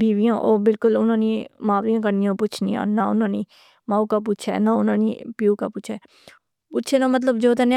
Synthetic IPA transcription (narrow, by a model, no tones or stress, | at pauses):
bʱiːʋijãːʔoːbɪlkʊlʊnãːnimaːʋɾijãːk̬əɾnijõpʊt͡ʃʰnḭːã̰ːnaʊnãːniː | mãːukap̬uːt͡ʃʰaɛ̰naʊnãːniːpjuːkaːpʊːt͡ʃʰaɛ | pʊːt͡ʃʰenamət̪̬ləbd͡ʒoːt̪ɛne